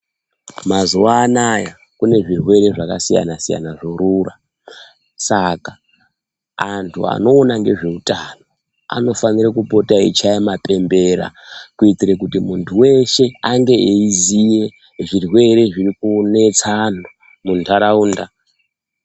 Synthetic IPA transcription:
mazuwaːnaja | kune̞ʐirwe̞ɾe̞ʐakasija̰nasija̰naʐoɾura | sakaː | ntʰṵa̰no̞ːnaŋɡe̞ʐe̞utano̞ | a̰no̞fanirekupo̞tait͡ʃajemape̞mbe̞ɾa̰kuitiɾekutimuntʰuwe̞ʃe̞aŋɡe̞eizije̞ | ʐirwe̞ɾe̞ʐirikune̞t͡sano | muntʰaɾauːnda

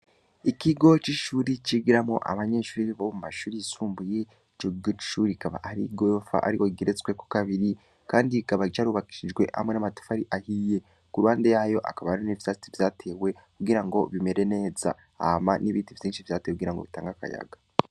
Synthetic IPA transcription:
ikiɡo̞t͡ʃiʃuːɾit͡ʃiɡiɾamŋo̰ʔa̰βaɲe̞ʃuːiiβomumaʃuːɾijisuːmbuje̞ | t͡ʃokiɡot͡ʃi̥ʃuːɾikaβa̰aɾḭɡojofa̰ʔa̰ɾiwoɡeɾet͡swekokaβiɾi | kaːndikaβat͡ʃaːɾuβaki̥ʃid͡ʒɡwe̞̰ha̰mŋe̞namato̥faɾiʔahije̞ | kuɾuhaːnde̞jaːjo̞ʔa̰kaβanonivjat͡sivjaːtʰe̞ːwe̞ | kuɡiɾaŋɡo̞βime̞ɾe̞ne̞za̰ | a̰maniβiːtivjiːnʃivjaːtewekuɡiɾaŋɡo̞̰βitaːŋɡaka̰ja̰ɡḁ

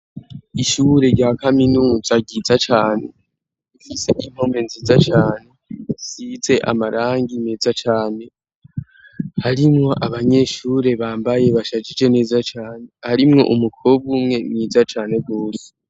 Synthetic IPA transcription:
iʃuɾe̞ɟaːkaminuːzaɟizat͡ʃaːne̞̰ | ifiseʔim̥ho̞menziːzat͡ʃaːne̞size̞ʔa̰maɾaːŋɡimeːzat͡ʃaːne̞ | haɾimŋo̞ʔaβaɲe̞ːʃuːɾe̞βaːmbaje̞βaʃad͡ʒid͡ʒe̞ne̞ːzat͡ʃaːne̞haɾimŋo̞̰ʔumukʰoβɡumŋe̞mŋiːzat͡ʃaːne̞ɡɡoːse̥

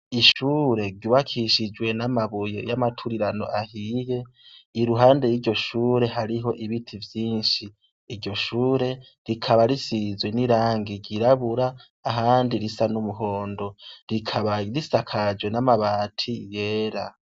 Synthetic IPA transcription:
iʃuːɾe̞ɾɟuβakʰiʃid͡ʒɡwe̞namaβuje̞̰jamatʰuɾiɾano̞̰ʔahiːje̞ | iɾuɦaːnde̞jiːɾɟo̞ʃuːɾe̞ɦaɾiɦo̞ʔiβitʰivjiːnʃiː | ɾɟo̞ʃuːɾe̞ | ɾikʰaβaɾisizweniɾaːŋɡiɟiɾaβuɾaː | ɦaːndiɾisanumuɦo̞ːndo̞ɾikʰaβaɾisakʰad͡ʒwe̞namaβaːtʰije̞ːɾa

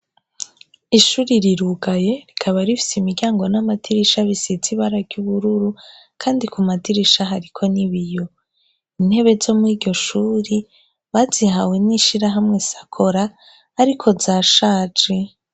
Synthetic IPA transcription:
iʃuɾiɾiɾuɡaje̞ɾikʰaβaɾifi̥simiɾɟaːŋɡo̞namatʰiɾiʃaβisit͡siβaɾaɡ̥juβuɾuɾu | kʰaːndikumatiɾiʃaɦaɾikʰo̞niβijo̞ | in̥he̞βe̞zo̞muwiːdɟo̞ʃuːɾi | βaːzihawe̞niʃiɾaɦamŋe̞sḁkʰo̞ɾaː | ɾikʰo̞zaːʃaːt͡ʃe

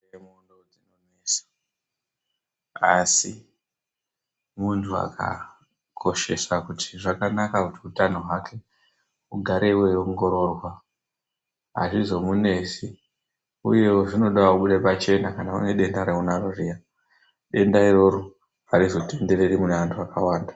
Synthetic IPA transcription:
emundod͡zinonesḁ | asi | muntʰua̰kʰa̰ | kʰo̞ʃe̞sakutʰi̥ʐakanakakutiutanoɦwakʰe | uɡʱaɾe̞wejoŋɡo̞ɾo̞ːrwa | a̰ʐizo̞mune̞ːsi | ṵje̞woʐino̞ɗawakuɓuɗepat͡ʃe̞nakanakṵne̞ɗe̞ndaɾeunaroria | ɗe̞ndairo̞ɾo | aɾizo̞te̞nde̞ɾe̞ɾimuneʋantʰuakawaːnda

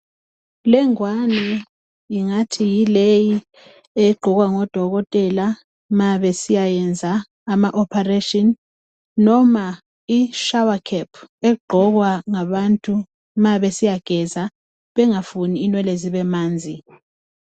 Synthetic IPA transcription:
lɛŋwani | iŋatʰijileji | eɡ͡ǃʱɔɣ̬waŋɔd̥ʱɔɣɔtʼɛla | maɓesijajɛnd͡zʱaː | maʔɔpʰareʃʼɔnː | ɔma | iʃawakʰɛpʰɛɡ͡ǃʱɔk̬waŋaɓantʼu | maɓesijaɡ̥ʱɛza | ɓɛŋafuniːnwɛleziɓɛmaːnd͡zʱi

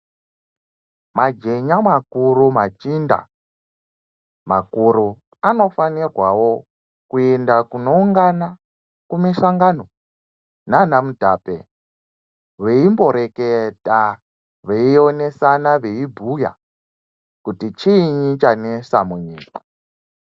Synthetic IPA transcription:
mad͡ʒe̞ɲamakurumat͡ʃinda̰ | makuɾu | ano̞fanirwawo̞ | kuendakuno̞uŋɡana | kumiʃaŋɡano̞ | nanamudʱape | ʋeimbo̞ɾe̞keta | ʋeio̞ne̞sanaʋeibʱuja̰ | kutit͡ʃiːɲit͡ʃanesamuɲiːkḁ

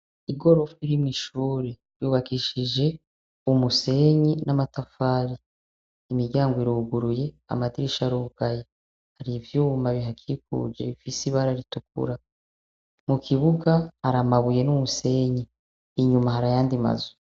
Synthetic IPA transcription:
iɡo̞ɾo̞fuiɾimŋiʃuːɾi | juːβakiʃid͡ʒe̞ | umuse̞ɲinamatafaːɾiː | miɡɟaːŋɡoiɾuɡuɾuje̞ | a̰madiɾiʃaɾuɡ̥aje | haɾivjuːmaβiɦakʰik̚ṵd͡ʒe̞̰βifisiβaɾaɾituk̚ṵɾa | mukʰiβuɡahaɾamaβuje̞numuse̞ɲiː | ɲumaɦaɾajaːndima̰zu̥

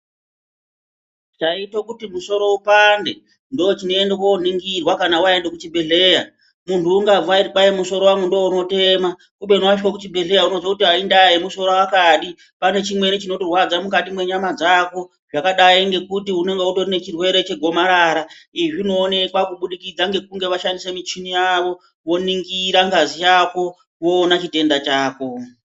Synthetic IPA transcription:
t͡ʃaitokutimuso̞ɾo̞upande̞ | ndoot͡ʃino̞endek̬ouniŋɡirwakanawaendekut͡ʃibʱe̞ɮe̞ːja | muntʰuːŋɡab͡vuariɓajemuso̞ɾo̞wamwendowouno̞te̞ma | kuɓenwaʃwokut͡ʃibʱe̞ɮe̞jauno̞d͡zwakutiaindajemuso̞ɾowakaɗi | pane̞t͡ʃimwe̞nit͡ʃino̞tirwad͡zamukatimwe̞ɲamad͡zako̞ | ʐakaɗaiŋɡe̞kutiune̞ŋɡeuto̞rine̞t͡ʃirwe̞ɾe̞t͡ʃe̞ɡʱo̞maɾaɾaiʐino̞ːne̞kwakuɓuɗikid͡zaŋɡe̞k̚uŋɡe̞ʋaʃandisemit͡ʃinijaʋo̞ | ʋo̞niŋɡiɾaŋɡazijako̞ | ʋo̞ːnat͡ʃite̞ndat͡ʃaːko̞

